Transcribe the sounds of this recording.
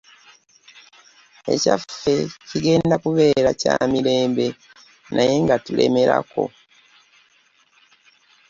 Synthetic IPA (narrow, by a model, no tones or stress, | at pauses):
e̞̰cafːe̞ciɡe̞ːndakuβe̞ːɾaca̰ːmiɾe̞ːmbe̞ | nʔaje̞ŋɡatulʔe̞̰me̞ɾa̰ko̞̰